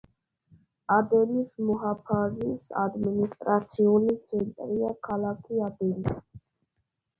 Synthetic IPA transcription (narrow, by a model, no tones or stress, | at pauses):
ad̪ɛnismɔɦapʰazisa̰d̪minist̪ʼɾat̪sʰiulit̪sʰɛnt̪ʼɾiakʰalakʰiad̪ɛni